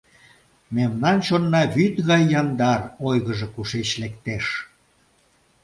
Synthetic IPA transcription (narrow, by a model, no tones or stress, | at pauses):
memnɑnt͡ɕonːɑβyt̪ɣɑjːɑnd̪ɑrojɣəʒekuʃet͡ɕlekt̪eʃ